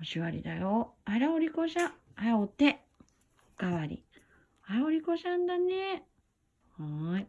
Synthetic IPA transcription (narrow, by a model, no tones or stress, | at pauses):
oɕiβaɾʲḭd̪ajoaɾaoɾʲikoɕãajaot̪ːe | ɡ̥aβaɾʲḭ | ajaoɾʲikoɕãnd̪ane | hai